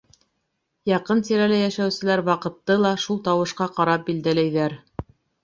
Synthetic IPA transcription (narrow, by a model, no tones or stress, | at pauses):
jɑqɤnt̪iɾælɘjæʃæwsɘ̆læɾwɑqɤ̆t̪ːɤlˠɑʃulˠt̪ɑwɤ̆ʃqɑqɑɾɑp̚bild̪ælæjðæɾ